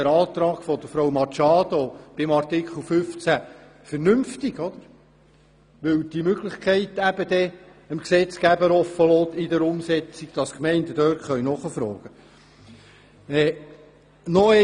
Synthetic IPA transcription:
əɾɑːt̪ɾɑːɡ̥fɔd̥̪əɾfɾowmɑt͡ʃɑːd̪ob̥ɪmɑrt̪ɪkχəl̩ˠfʏft͡sæ | fəɾnʏmft̪ɪɡɔd̪əɾ | ʋɵwd̥̪imøɡləχkʰɛɪt̪æb̥əd̥̪ɛ | əmksɛt͡skæbəɾɔfəlɔːt̪ɪd̪əɾʊmsɛt͡siɡd̪̥ɑskmɛɪnd̪əd̥̪øːɾtχœɥnɔχəfɾɔːɡ̥ə | ɛː | nɔɛ

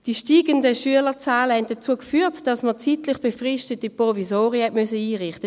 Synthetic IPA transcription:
d̥iʃtiːɡəndəʃyələt͡saːləhɛnt̚d̥aɐt͡suːəkfyːtd̥ɑsmət͡siːtlɪχb̥efʁɪʃtətipʁovisoːʁəhɛtmʏsəiːʁɪχtə

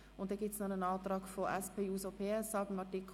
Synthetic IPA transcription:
ʊnt̚dɛɡ̥iːp̚snɔnənɑːtɾɑːkfoʔɛspʰeːuːsopʰeːɛsɑbɪmɑtikʰ

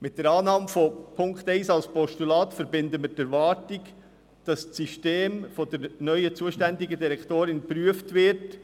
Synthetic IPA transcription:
mɪt̚d̥əɾɑːnɑːmfopʰʊŋkχt̪ɛɪsɑlspɔʃtulɑːt̪fəɾbɪnd̪əməɾtæɾvɑːɾtik | d̥ɑst͡siʃteːmfɔd̥əɾnœʏət͡suəʃtænd̪iɡəd̪iɾɛktoːɾɪnpɾyəftʋɪɾt

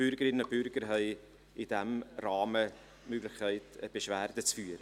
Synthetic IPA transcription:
b̥ʏɾɡəɾɪnəob̥ʏɾɡ̥əɾɦɛɪ | ɪd̥æmraːmə | møɡlɪxkʰːæɪtəb̥eʃvæːrdət͡sfyːəɾə

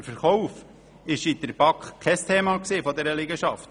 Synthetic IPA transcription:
fəɾχɔwf | ɪʃidəɾb̥ɑkχkʰːɛst̪ʰeːmɑksiːfɔd̪ɛɾəliɡəʃɑft

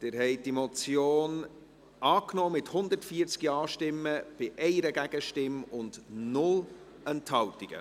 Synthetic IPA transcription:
d̥ɪːɾɦɛɪd̥imɔt͡sjoːn | ɑːknoːmɪthʊnd̪əɾtfiəɾt͡skiɑːʃtɪmːəb̥ɪʔɛɪɾəɡæɡ̥əʃtɪmʊndnʊl | ɛnthɑltiɡ̥ə̰

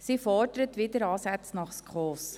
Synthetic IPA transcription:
siːfɔrdəɾətʋɪdəɾɑːsæt͡snɑχskʰχɔːs

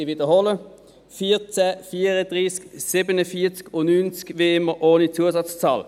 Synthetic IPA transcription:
iʋiːd̪əʁhɔlə | fiːʁt͡sɛfiːʁəd̪ʁiːsksɪbənəfiːt͡skʊnyːnt͡skʋeɪməʔoːnit͡suːəsɑt͡st͡sɑːl

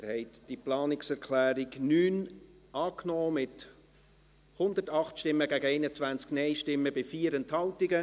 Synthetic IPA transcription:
ɾhɛɪt̪d̥iplɑːnɪksɛɾkʰlæːɾɪɡnyːn | ɑːknoːmɪt | hʊnd̪ətɑχtʃtɪmːəɡæɡəɛɪnət͡svænt͡sknɛɪʃtɪmːəbɪfiːəɾɛnthɑltɪɡə

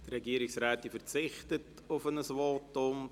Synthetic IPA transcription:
t̪rɛɡiəɾɪksɾaːtifərt͡sɪχtət | ʊfənəsʋɔtʊm

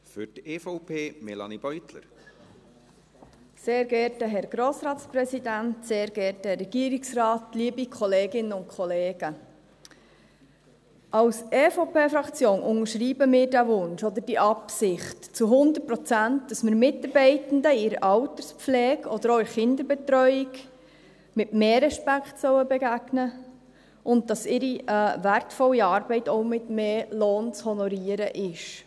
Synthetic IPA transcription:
fʏteːfɔʊpʰeːmɛlɑ̰nib̥œʏt̪lə̰ɾ | seːɾɡɛɾtəɦɛɾɡ̥ɾoːsɾɑːtspɾɛsidæntseːɾɡ̥ɛːɾtəɾɛɡ̥iːəɾiksrɑːtliːəbikʰɔleːɡɪnːəʊntkʰχɔleːɡ̥ə | ɑwseːfopʰeːfɾɑkt͡sjoːnʔʊŋəɾʃɾiːbəmɪːɾdæʋʊnʃɔd̪əɾd̥iʔɑpsɪχtt͡suɦʊnd̪ət̚pɾɔt͡sæntd̥ɑsməɾmɪtɑɾbɛɪtən̩dəɪɾəʔɑwtəɾspp͡flɛːɡɔd̥əɾoɪɾχɪnd̪əɾbɛt̪ɾœʏɪɡ | mɪtmeːɾɛʃpækχtsœwəbɛɡæɡnə | ʔʊnt̚d̥ɑsɪɾivæɾtfɔlːiɑːɾbɛɪtɔʊmɪtmeːloːnt͡shɔnɔɾiəɾəʔɪʃ

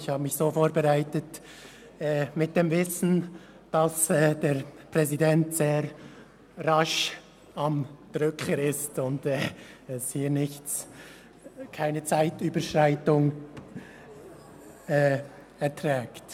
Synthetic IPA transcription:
çhaːbəmɪçsoːfoːɾbəʁaɪtət | ɛːmɪt̚d̥eːmvɪsn̩ | d̥asɛːd̥eːʁpʁ̥ɛzidɛntz̥eːɾ | raʃ | amd̥ʁʏkəɾɪstʊndɛːɛshiːɾnɪçt͡s | kʰaɪnət͡saɪtyːbəʃʁaɪtʊŋ | ɛː | ɛɐtʁɛːkt

